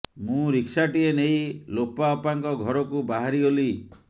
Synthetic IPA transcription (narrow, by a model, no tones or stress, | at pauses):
mũɾiksaʈienejlopaɔpaŋkɔɡʱɔɾɔkubaɦaɾiɦoli